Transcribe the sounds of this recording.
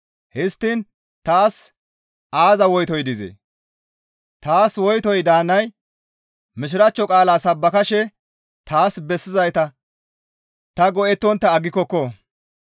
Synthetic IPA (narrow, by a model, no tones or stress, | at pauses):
hɪst̪ːin | t̪aːs | aːzɐwɔjt̪ɔjd̪ɪzɛ̰ | t̪aːswɔjt̪ɔjd̪aːnːɐj | mɪʃ̬ɪɾɐt͡ʃːɔkʼaːlaːsɐbːɐkɐʃɛ | t̪ʰaːsbɛsːɪzɐjt̪ɐ | t̪ɐɡɔʔɛt̪ːɔnt̪ːɐːɡːɪkːɔkːɔ